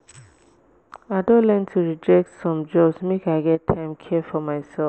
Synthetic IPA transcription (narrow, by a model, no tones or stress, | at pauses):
aɪdõnlɛntʰuɹid͡ʒɛk̚tsɔ̃md͡ʒɔbsmekaɪɡɛtʰːãɪ̃mkʰiəfɔmaɪsɛlf